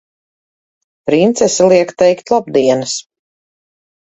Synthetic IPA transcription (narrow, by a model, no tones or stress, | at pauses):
pɾint̪sɛsalˠiɛkt̪ɛjkt̪lˠab̚d̪iɛnɨs